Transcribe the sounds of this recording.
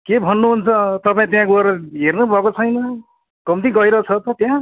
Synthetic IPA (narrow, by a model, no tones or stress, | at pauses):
kebʱʌnːuɦunt͡sʰʌt̪ʌpãĩt̪jãkuʌɾʌɦernubʱʌkot͡sʰʌjnʌ | kʌmt̪ĩɡʌjɾʌt͡sʰʌt̪ʌt̪jã